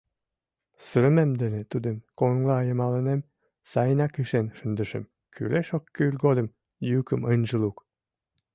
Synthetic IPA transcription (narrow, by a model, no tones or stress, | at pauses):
sə̆ɾə̆memd̪ĕnet̪ud̪ə̆mkoŋlˠɑɑjɤ̆mɑlˠə̆nem | sɑjənɑkɯʃenʃə̆nd̪ə̆ʃɘ̰̆m | kʰy̰leʃokːøylʲɡod̪ə̆m | jykəmɤnʲʒəlˠuk